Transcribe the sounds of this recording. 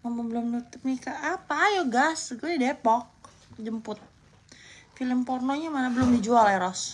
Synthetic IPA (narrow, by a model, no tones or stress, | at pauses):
ŋamabəlʊmnut̪ʊp̚nikaːpajɔɡasɡudidepɔk̚ | d͡ʒəmpʊt̪̚ | filəmpɔrnoɲamanabəlʊmdid͡ʒualɛɾɔs